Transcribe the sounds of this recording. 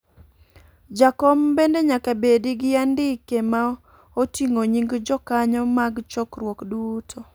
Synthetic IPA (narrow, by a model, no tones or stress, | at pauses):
d͡ʒakɔmbendeɲakabediɡɪandɪkema | otiŋoɲiŋɡd͡ʒɔkaɲɔmaɡt͡ʃɔkrwɔkdutʰɔ